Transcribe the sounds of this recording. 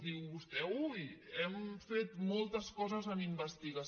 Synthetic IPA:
ðiwβust̪ɛujɛmfet̪mɔlˠt̪əskɔzəzəmimbəst̪iɣə

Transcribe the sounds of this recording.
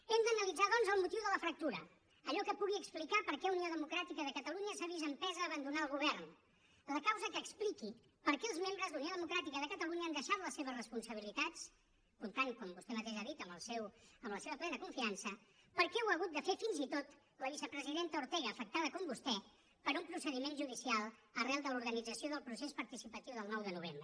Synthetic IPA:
ɛmd̪ənəlid͡zaðɔnzəlˠmut̪iwðələfɾək̚t̪uɾə | əʎɔkəpuɣiəksplikapəɾkɛunioðəmukɾat̪ikəðəkət̪əluɲəsaβizəmpɛzəːβənd̪unaəlˠɣuβɛɾn | ləkawzəkəːkspliki | pəɾkɛəlˠzmembɾəzlunioðəmukɾat̪ikəðəkət̪əluɲəand̪əʃat̪ləseβ̞əzrəspunsəβ̞ilit̪at͡s | kunt̪aŋkɔmbust̪ɛmət̪eʃaðit̪əmbəlˠsɛwəmbləseβəplɛnəkuɱfiansəpəɾkɛwəɣ̞ut̪̚d̪əfefinzit̪ot̪ | ləβ̞isəpɾəziðent̪əuɾt̪ɛɣəːfək̚t̪aðəkɔmbust̪ɛ | pəɾumpɾusəðimenʒuðisialˠərɛlˠd̪əluɾɣənid͡zəsioðəlˠpɾusespəɾt̪isipət̪iwðəlˠnɔwðənuβembɾə

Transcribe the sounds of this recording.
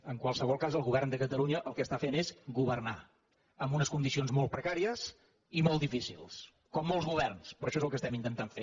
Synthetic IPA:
əŋkwalˠsəβɔlˠkazəlˠɣuβɛrnd̪əkət̪əlˠuɲəʔəlˠkəst̪afenezɡuβərna | əmbunəskund̪isionzmɔlˠt̪̚pɾəkaɾiəs | imɔlˠd̪ifisḭlˠs | kɔmːɔlˠzɣuβɛrnspɾɔʃɔezəlˠkəst̪ɛmint̪ənt̪aɱfe

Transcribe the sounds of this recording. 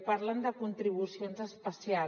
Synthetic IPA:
paɾland̪əkunt̪ɾiβ̞usionzəspəsia

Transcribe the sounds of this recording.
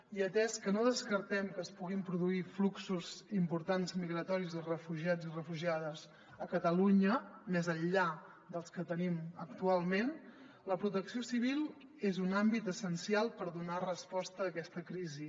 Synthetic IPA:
iət̪ɛskənoðəskəɾt̪ɛmkəːspuɣimpɾuðuifluksuzimpuɾt̪anzmiɣɾət̪ɔɾizərəfuʒiad͡zirəfuʒiaðəz | əkət̪əluɲəmezənʎa | d̪əlˠskət̪ənimək̚t̪ualˠmen | ləpɾut̪əksiosiβ̞ilˠ | ezunambit̪əsənsialˠpəɾðunarəspɔst̪əːkɛst̪əkɾizi

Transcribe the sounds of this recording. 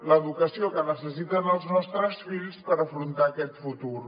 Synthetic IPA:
ləðukəsiokənəsəsit̪ənəlˠznɔst̪ɾəsfiʎspəɾəfɾunt̪aːkɛt̪fut̪uɾ

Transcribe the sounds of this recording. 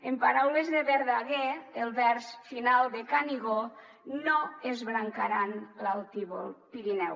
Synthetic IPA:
empaɾawlezðeβeɾðaɣeːlˠβɛɾsfinalˠd̪ekaniɣo | noezβɾaŋkaɾanlalˠt̪iβolpiɾinɛw

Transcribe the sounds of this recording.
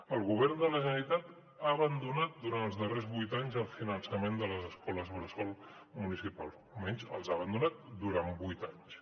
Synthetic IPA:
əlˠɣuβ̞ɛɾnd̪ələʒənəlit̪at̪ | aːβənd̪unat̪̚d̪uɾanəlˠzðərezβujt̪aɲzəlˠfinənsəmend̪ələzəskɔləzβəɾəsɔlˠ | munisipalˠzumɛɲzə̰lˠzaβənd̪unat̪̚d̪uɾambujt̪aɲs

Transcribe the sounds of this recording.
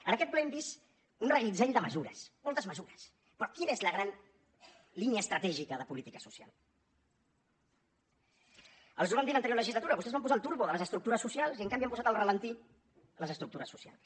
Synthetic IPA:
ənəkɛt̪̚plɛɛmbist̪ | unrəɣid͡zɛʎd̪əməzuɾə̰smɔlˠt̪əzməzuɾəs | pɾɔkinezləɣɾan | liniəːst̪ɾət̪ɛʒikəðəpulit̪ikəsusia̰lˠ | ə̰lˠs̬uβand̪ilənt̪ɾjoɾləʒizlət̪uɾəβust̪ɛzβamp̬uzaəlˠt̪uɾβoðələzəst̪ɾuk̚t̪uɾəsːusialˠziəŋkambiampuzat̪əlrələnt̪i | ləzəst̪ɾuk̚t̪uɾəsːusia̰lˠs

